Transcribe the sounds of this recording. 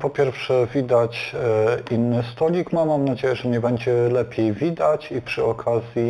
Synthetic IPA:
pɔpʲjɛɾfʂɛvʲid̪at͡ɕ | inːɘst̪ɔlʲikmamːamnad͡ʑejɛʐɛɲɛbɛɲd͡ʑɛlɛpʲjejvʲid̪at͡ɕipʂɘɔkʰazʲji

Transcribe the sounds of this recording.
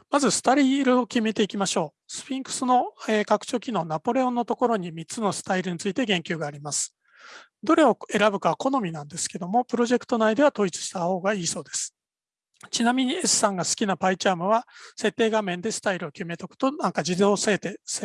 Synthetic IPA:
mazɨsɨ̥t̪aɾʲiːɾɯ̟o̞kʲime̞t̪e̞ikʲimaɕo̞ː | sɨ̥pʲĩŋkɯ̟̥sɨno̞eːkakɯ̟̥t͡ɕo̞ːkʲino̞ːnapo̞ɾe̞õ̞nːo̞t̪o̞ko̞ɾo̞ɲ̟imʲit͡sɨno̞sɨ̥t̪aiɾɯ̟ɲ̟it͡sɨit̪e̞ɡẽ̞ŋkʲɨːɡaːɾʲimasɨ̥ | d̪o̞ɾe̞o̞e̞ɾabɯ̟kaβko̞no̞mʲinãnd̪e̞sɨ̥ke̞d̪o̞mo̞pɯ̟ɾo̞ʑe̞kɯ̥t̪o̞naid̪e̞βat̪o̞it͡sɨ̥ɕi̥t̪aho̞ːɡaiːso̞ːd̪esɨ̥ | t͡ɕinamʲiɲ̟ie̞sɨ̥sãŋɡasɨ̥kʲinapait͡ɕaːmɯ̟βase̞t̪ːe̞ːɡamẽ̞nd̪e̞sɨ̥t̪aiɾɯ̟o̞kʲime̞t̪okɯ̟̥t̪o̞nãŋkad͡ʑid̪o̞ːsaet̪es

